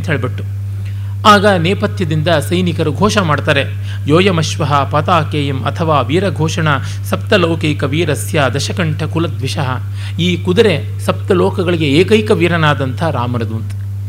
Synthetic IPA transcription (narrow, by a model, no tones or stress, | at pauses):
t̪ʰeɭbiʈːu | aːɡɐneːpɐt̪ʰjɐd̪ind̪ɐsɐjnikɐɾuɡʱoːʃɐmaːɖt̪aːɾe | joːjɐmɐʃʋɐɦɐpɐt̪aːkeːjɐmɐ̰t̪ʰɐʋaːʋiːɾɐɡʱɔːʂɐɳa | sɐp̚t̪ɐloːkɐjkɐʋiːɾɐsjaːd̪ɐʃɐkɐɳʈʰɐkulɐd̪ʋiʃɐɦɐ | iːkud̪ɐɾe̞ | sɐp̚t̪ɐloːkɐɡɐɭiɡe̞eːkɐjkɐʋiːɾɐnaːd̪ɐnt̪ʰɐɾaːmɐnɐd̪uːnt̪